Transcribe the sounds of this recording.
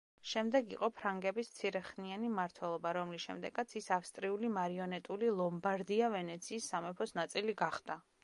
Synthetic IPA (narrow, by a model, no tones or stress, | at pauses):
ʃɛmd̪ɛɡiqʼɔpʰɾaŋɡɛbist̪sʰiɾɛχnianimaɾt̪ʰwɛlˠɔbaɾɔmlisʃɛ̰md̪ɛ̰ɡat̪sʰisafst̪ʼɾiulimaɾiɔnɛt̪ʼulilˠɔmbaɾd̪iavɛnɛt̪sʰiːsːamɛpʰɔsnat̪sʼiliɡaχd̪̥a